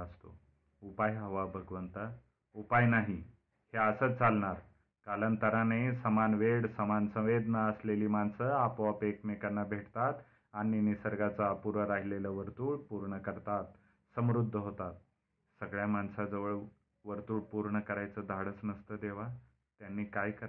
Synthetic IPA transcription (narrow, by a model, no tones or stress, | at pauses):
əst̪o | upajɦəʋabʱəɡʋənt̪ə | upajnaɦi | heəsət͡salɳaɾ | kalənt̪əɾanesəmanʋeɽsəmansə̃ʋed̪nəəsleliːmansəapoəpekmekanːabʱeʈt̪at̪ | aɽ̃inisəɾɡat͡sapuɾʋəɾaɦileləʋəɾt̪uːɽpuɾɳəkəɾt̪at̪ | səmɾud̪ʱːəɦot̪at̪̚ | səɡɭjamansad͡zəʋəɭ | ʋəɾt̪uːɽpuɾɳəkəɾajt͡səd̪ʱaɽəsnəst̪əd̪eʋ̤a | t̪janːiːkajkəɾ